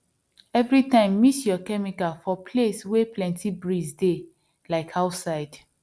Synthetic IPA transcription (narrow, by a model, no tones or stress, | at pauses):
ɛvɹitãɪ̃mːisjɔkɛmikafɔpʰlesweplɛ̃ntʰibɹisde | laɪkaʊtsaɪd̥